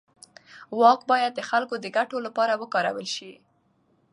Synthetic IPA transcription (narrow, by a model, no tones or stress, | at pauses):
wɑkbɑjad̪̚ːəxalkod̪əɡaʈolapɑɾawəkɑɾa̰wəlʃi